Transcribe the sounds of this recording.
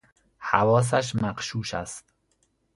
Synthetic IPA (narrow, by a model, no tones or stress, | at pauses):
hævɒːs̬æʃ̬mæqʃuːʃæ̰st̪̚